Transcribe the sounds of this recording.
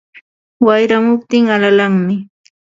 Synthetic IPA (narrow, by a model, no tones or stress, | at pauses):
wajɾamʊp̚t̪ɪŋalalaŋmɪ